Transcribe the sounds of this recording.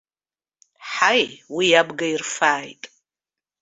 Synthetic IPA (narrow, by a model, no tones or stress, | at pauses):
ħajwijabɡairfaːjtʼ